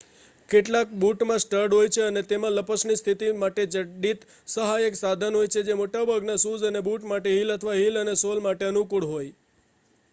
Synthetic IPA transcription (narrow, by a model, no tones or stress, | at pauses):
keʈlak̚buʈmãsʈəɾɖɦojt͡ʃʰeənet̪emãləpəsnist̪ʰit̪imaʈed͡ʒəɖit̪ | səɦajəksad̪ʱənɦojt͡ʃʰed͡ʒemoʈabʱəɡnasuzənebuʈmaʈeɦilət̪ʰəʋaɦilənesolmaʈeənukuɽɦoj